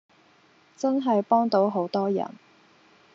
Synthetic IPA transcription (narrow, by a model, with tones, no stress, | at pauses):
t͡sɐ˥nɦɐ˨jpɔː˥ŋt̪o˨˥wɦo˨˥wt̪ɔː˥jɐ̰˨˩n